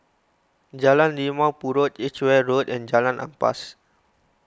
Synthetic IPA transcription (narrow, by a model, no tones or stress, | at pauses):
d͡ʒalãndimãwpuɹotit͡ʃwɛɹotɛ̃nd͡ʒalãnã̰mpa̰s